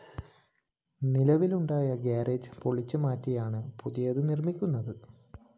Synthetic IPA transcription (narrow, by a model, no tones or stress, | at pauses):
nilɐʋiluɳɖaːjɐɡaːreːd͡ʑpoɭit͡ɕːɨmaːtːijaːɳɨpuðijɐðɨnirmikʲːunːɐðɨ